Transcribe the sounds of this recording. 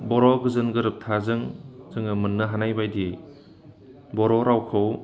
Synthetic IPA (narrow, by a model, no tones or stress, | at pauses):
bɔɾɔɡɯzɯnɡɯɾɯp̚tʰazɯŋzɯŋɯmɯnːɯɦanajbajdiej | bɔɾɔɾawkʰɯw